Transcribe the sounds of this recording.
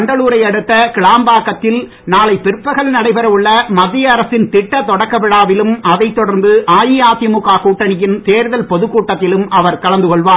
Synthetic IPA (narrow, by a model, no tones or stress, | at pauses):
ɳɖɐɭuːɾɐɪɐɽɯt̪ːɐkɪɭaːmbaːkːɐt̪ːɪl | naːlɐɪpːɪɾpːɐɣɐɭnɐɽɐɪpɐɾɐʋɯɭːɐmɐðːɪjɐːɾɐsɪnt̪ɪʈːɐt̪ːɔɽɐkːɐpɪɽaːʋɪlɯmʔɐðɐɪt̪ːɔɽɐɾnd̪ɯʔaːjijaːt̪ɪjmʊkːaːkuːʈːɐnɪjɪnt̪eːɾðɐlpɔðɯkːuːʈːɐt̪ːɪlɯmʔɐʋɐɾkɐlɐnd̪ɯkɔɭʋaː